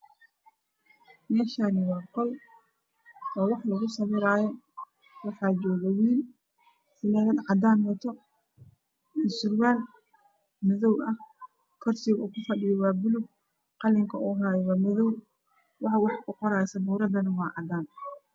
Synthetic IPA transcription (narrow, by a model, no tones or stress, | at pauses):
mɛːʃaːnɪwɑːqɔl | ɔːwɑħlɐɣʊsɐβɪɾaːjɔ | wɑħɑːd͡ʒɔːɣɐwiːl | sɪlɛðɐd̪ʕɑd̪aːnwɐt̪ʰɔ | ɪsʊrwaːl | mɪðɔwɐh | kʰɔrsiːɣuːkʰʊfɐɖɪjɔwɑːbʊlʊɡ | qɑlɪŋkʰɐʔuːɦaːjwaːmɪðɔw | wɑħɑwɑħkʰʊqɔɾaːsɐbuːɾɐd̪ɐnɐwɑːʕɑd̪aːn